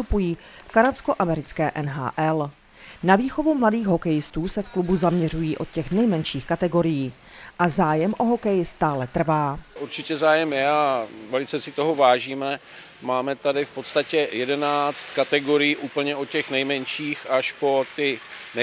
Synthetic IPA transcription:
t̪upujiː | fkaɾasko̞ʔamɛɾɪt͡skɛːʔɛnɦa̰ːʔɛl | naviːxo̞vumladiːɣɦo̞kɛjɪst̪uːsɛfklubuzamɲɛr̝ujiːʔo̞t̪̚cɛxnɛjmɛnʃiːxkat̪ɛɡo̞ɾɪjiː | ʔazaːjɛmʔo̞ɦo̞kɛjɪst̪aːlɛt̪r̩vaːʔuɾt͡ʃɪcɛzaːjɛmjɛavɛlɪt͡sɛsɪt̪o̞ɦovaːʒiːmɛ | maːmɛt̪adɪfpo̞t̪st̪acɛjɛdɛnaːt͡st̪kat̪ɛɡo̞ɾɪjiːʔuːpl̩ɲɛʔocɛxnɛjmɛnʃiːxaʃpo̞t̪ɪ | n

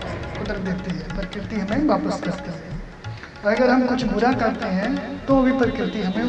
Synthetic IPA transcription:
kʊd̪ɾəd̪eːt̪eɦɛ̃pəɾɪkɾɪt̪iɦɐmẽʋaːpəskɐɾt̪eɦɛ̃ | ɔːɾɐɡəɾɦɐmkʊt͡ʃʰbʊɾakɐɾt̪eɦɛ̃t̪oɐbʱipəɾɪkɾɪt̪iɦɐmẽ

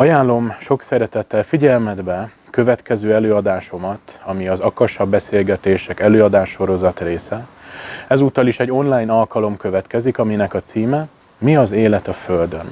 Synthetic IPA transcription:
ɒjaːlːo̞mʃo̞ksɛɾɛt̪ɛt̪ːɛlfiɟɛlmɛd̪bɛ | kø̞vɛt̪kɛzøːɛløːɒd̪aːʃo̞mɒt̪ɒmiɒzɒkɒʃɒbːɛseːlɡɛt̪eːʃɛkɛløːɒd̪aːʃːo̞ɾo̞zɒt̪reːsɛ | ɛzuːt̪ːɒliʃɛɟːo̞nlaːjnɒlkɒlo̞mkø̞vɛt̪kɛzikɒminɛkɒt̪siːmɛ | miɒzeːlɛt̪ɒfø̞ld̪ø̞n

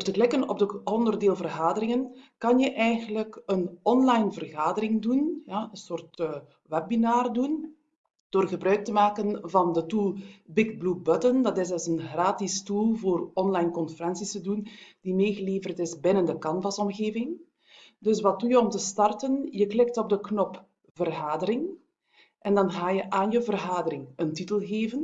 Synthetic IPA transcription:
ərtəklɪkənɔ̰b̚dəɔndərdeːlˠvərɣaːdəɾɪŋənkɑnjəʔɛjɣənləkənɔnlɑjnvərɣaːdəɾɪŋdunjaːənsoːrtː | ʋɛb̚binaːrdun | d̥oːrɣəbɾœɥk̚təmaːkənvɑndətulˠbɪɡblubœtəndɑtɪzəzənɣraːtɪstulˠvoːrɔnlajnkɔnfəɾɛnsisədund̥imeːɣəleːvərtɪzbɪnəndəkɑnvɑsɔmɣeːvɪŋ | dɵsʋɑt̚dujəɔmtəstɑrtənjəklɪk̚tɔb̚dəknɔp | v̥ərɣaːdəɾɪŋ | ʔɛndɑnɣaːjəʔaːnjəvərɣaːdəɾɪŋəntitəlˠɣeːvən

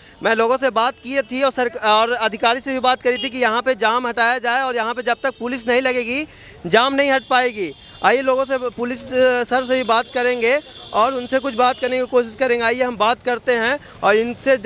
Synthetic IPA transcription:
mɛ̃ːloːɡõsebaːt̪kiet̪ʰiɔːɾsɐɾɔːɾɐd̪ʱɪkaːɾisebʱibaːt̪̚kɐɾit̪ikijɐɦãped͡ʒaːmɦɐʈaːjad͡ʒaːeɔːɾjɐɦãped͡ʒɐb̚t̪ɐk̚pʊlɪs̬nɐɦĩlɐɡeːɡi | d͡ʒaːmnɐɦĩɦɐʈ̚paːeːɡiː | a̰ːjeloːɡõsepʊlɪssɐɾsebʱibaːt̪kɐɾẽːŋɡeː | ɔːɾʊnsekʊt͡ʃʰbaːt̪̚kɐɾnekikoːʃɪʃkɐɾẽːŋɡaːjeɦɐmbaːt̪kɐɾt̪eɦɛ̃ | ɔːɾɪnse

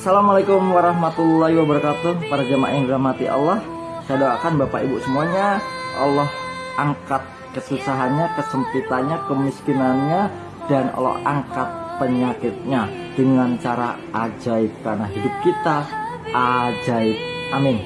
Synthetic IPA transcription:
asalamalekʊmwaɾaɦmat̪ulːaɦiwabəɾakat̪ʊpaɾɡama̰ʔɪndiɾahmat̪iʔa̰lːɔh | sadawakanbapaʔibuʔsəmuaɲaʔɔ̰lɔhʔaŋkat̪̚kəsusaɦanɲakəsəŋkit̪anɲakəmiskinanɲa | danɔ̰lɔ̰ha̰ŋkat̪̚pəɲakɪt̪̚ɲa | d̥əŋant͡ʃaɾa̰ | ʔad͡ʒaɪk̚kːarnaɦidʊp̚kit̪aʔad͡ʒaɪk̚amɪn

